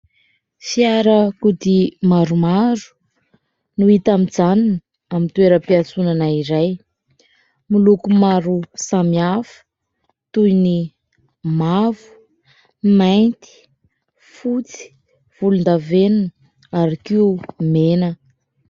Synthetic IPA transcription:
fiaɾəkud̪imaɾumaɾu̥ | nuit̪amid͡zanini | amint̪ueɾəpiat͡sunanaiɾaj | milukumaɾusamiafə̥ | t̪ujni | mavu̥ | majnt̪i̥ | fut͡si̥ | v̥ulund̪avenuni | aɾikimenə

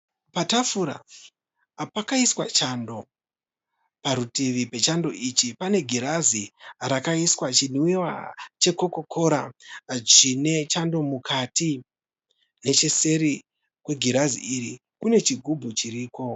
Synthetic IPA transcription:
patafuɾa̰ | pakaiswat͡ʃando̞ | paɾutiʋipe̞t͡ʃando̞̰ʔit͡ʃipane̞ɡʱiɾaziɾakaiswat͡ʃinwiwa̰t͡ʃe̞ko̞ko̞kʰo̞ɾa̰t͡ʃine̞t͡ʃando̞mukʰati | ne̞t͡ʃese̞ɾi | kwe̞ɡʱiɾazḭiɾi | kune̞t͡ʃiɡʱubʱut͡ʃiriːko̞

